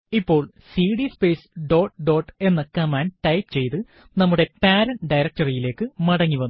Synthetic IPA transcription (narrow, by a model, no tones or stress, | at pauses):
ipːo̞ːɭ | siːɖispe̞ːsɖo̞ːʈɖo̞ːʈːe̞nːɐkːɐmaːnʈɐjpt͡ɕe̞jt̪ɨ | nɐmːuɽe̞paːɾɐnɖɐjɾɐk̚tɐrijile̞ːkːɨmɐɽɐŋːiʋɐnːu